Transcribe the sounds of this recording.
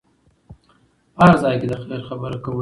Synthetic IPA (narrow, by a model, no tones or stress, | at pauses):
ɑɾzɑjked̪əxleɾxabəɾakawə